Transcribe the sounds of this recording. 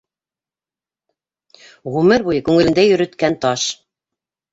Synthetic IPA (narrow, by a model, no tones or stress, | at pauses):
ʁʉmɘɾβujɤkʉŋɘ̆lɘ̆nd̪æjɵ̆ɾɵ̆t̪kænt̪ɑʃ